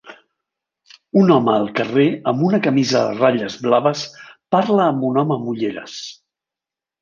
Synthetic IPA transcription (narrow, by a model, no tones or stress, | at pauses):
unɔməːlˠkəreəmbunəkəmizəðə̰raʎəzβlaβəspaɾləːmbunɔməmuʎeɾə̰s